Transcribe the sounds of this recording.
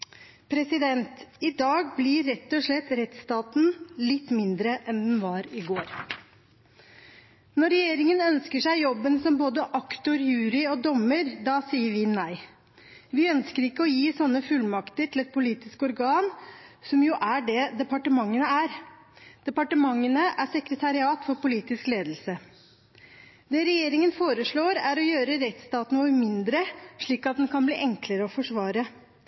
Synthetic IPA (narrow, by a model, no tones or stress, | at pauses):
pʰɾɛsɪd̪ɛnt̪ɪd̪ɑːɡblɪːɛt̪ːɔʂɭɛt̪ːɾɛt̪st̪ɑːt̪n̩lɪt̪ːmɪnd̪ɾəʔɛnd̪ɛnʋɑːɾɪɡoːɾ | nɔɾɛjeːɾɪŋənœnskəʂæɪjɔbːənsɔmboːd̪əʔɑkt̪ɔɾjʉːɾɪɔd̪ɔməɾd̪ɑsiːəɾʋɪnæɪ | ʋɪœnskəɾɪkːəɔjiːsɔnːəfʉlmɑkt̪əʈʰɪlɛt̪̚pʰʊliːt̪ɪskɔɾɡɑːnsɔmjʊʔæɖɛd̪ɛpɑʈəmɑŋːənəæɾ | d̪̥ɛpɑʈəmɑŋːənəʔæsɛkɾət̪ʰɑɾɪɑːt̪fɔɾpʊliːt̪ɪskleːd̪l̩sə | d̪ɛɾɛjeːɾɪŋənfoːɾəʂɭoːɾæɾɔjøːɾəɾɛt̪st̪ɑːt̪nnuːəmɪnd̪ɾəʂɭiːkɑt̪̚d̪ɛnkʰɑnblḭːʔɛŋkləɾəɔfɔʂʋɑːɾə